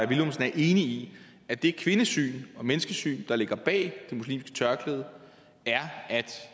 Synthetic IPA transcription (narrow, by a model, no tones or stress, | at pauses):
æbilomsn̩æɐʔe̝ːnii | æd̥e̝kʰʋe̝nəsy̰ːnɒ̽menəsɡ̥əsy̰ːnd̥ɑ̈le̝ɡ̥ɐb̥ɛ̰ːd̥e̝muslḭːmsɡ̥ə̥t͡sʰɶɐɡ̥ləðˠ | æɐæd̥